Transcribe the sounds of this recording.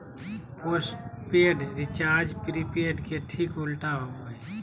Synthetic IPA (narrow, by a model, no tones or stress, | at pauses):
posʈpeːɖɾɪt͡ʃaːɾd͡ʒpɾipeːɖkeʈʰiːkʊlʈaɦoɡəi